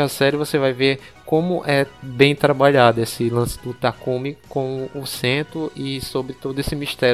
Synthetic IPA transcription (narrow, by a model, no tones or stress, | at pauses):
asɛɾɪvosevajveɾ | kõmʊʔɛbẽj̃t̪ɾabaʎad̪ʊesɪlɐ̃sɪ̥d̪ʊt̪akũmɪkõw̃ʊsẽt̪ɾʊʔɪsobɾɪt̪od̪ʊesɪmiʃt̪ɛɾ